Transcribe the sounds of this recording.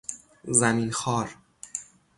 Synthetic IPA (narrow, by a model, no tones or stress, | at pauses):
zæmiːnxɒːɾ